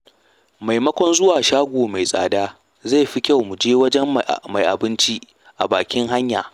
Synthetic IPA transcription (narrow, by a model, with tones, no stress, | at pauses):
ma˨jmɐ˦kʷɔ˦nzʊ˦waː˨ʃaː˦ɡʷoː˨ma˨jsʼa̰ː˨daː˦ | za˦˨jɸi˦kʲa˦˨wmu˨d͡ʒeː˦wɐ˦d͡ʒɛ˦mma˨jʔa̰˨bɪ˦nt͡ʃi˦ | ʔa˨baː˨kʲɪ˦ŋɦa˦ɲjaː˨